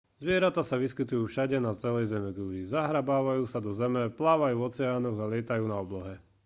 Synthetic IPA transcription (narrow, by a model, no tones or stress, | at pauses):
zʋɪɛɾat̪aːsaʋiskit̪ujuːfʃaɟɛnat͡sɛlɛjzɛmɛɡuɾizaɦɾabaːʋajuːsad̪ɔzɛmɛplaːʋajuːɔt͡sɛaːnɔɣalɪɛt̪ajuːnaɔblɔɦɛ